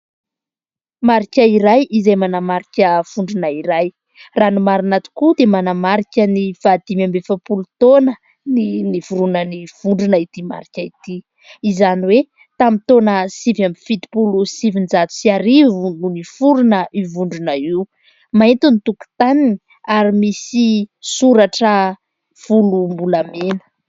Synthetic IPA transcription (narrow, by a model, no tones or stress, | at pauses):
maɾikʲaiɾajʔizajmanamaɾikʲəv̥uɳɖ͡ʐunaiɾaj | ranumaɾanat̪u̥kud̪emanamaɾikʲənifad̪imambefəpulut̪onə | ninivuɾunəniv̥uɳɖ͡ʐunəit̪ima̰ɾikʲəit̪iː | zaniwe | t̪amit̪onəsivamifit̪i̥pulusivind͡ʒat̪u̥siaɾivulunifuɾunəʔivuɳɖ͡ʐunəiu | maint̪unit̪uku̥t̪anini | aɾimisisuɾaʈ͡ʂə | v̥ulumbulamenə̥